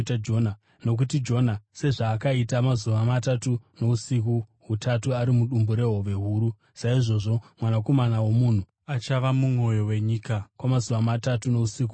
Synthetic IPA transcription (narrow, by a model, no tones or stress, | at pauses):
tad͡ʒona | no̞k̬utid͡ʒo̞nase̞ʐaːkaitamazuʋamatatuno̞usik̬uɦutatuaɾimuɗumbuɾe̞ɦo̞ʋe̞ɦuːɾu | saiʐo̞ʐo̞mwanako̞manawo̞mun̤u | at͡ʃaʋamumo̞jo̞we̞ɲiːkakwamazuʋamatatuno̞usiːk̬u